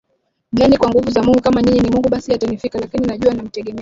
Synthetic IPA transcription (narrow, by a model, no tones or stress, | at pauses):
lanikwaŋɡuvuzamuŋɡukamaɲiɲinimuŋɡuɓasiatanifikalakininaʄuanam̩tɛɠɛmɛ